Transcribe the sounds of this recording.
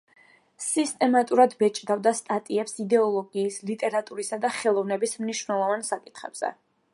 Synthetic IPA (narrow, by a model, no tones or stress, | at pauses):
sist̪ʼɛmat̪ʼuɾad̪bɛt͡ʃʼd̪avd̪ast̪ʼat̪ʼiɛpsid̪ɛɔlˠɔɡiːslit̪ʼɛɾat̪ʼuɾisad̪aχɛlˠɔvnɛbismniʃwnɛlˠɔvansakʼi̥t̪ʰχɛ̰b̥z̥ɛ̰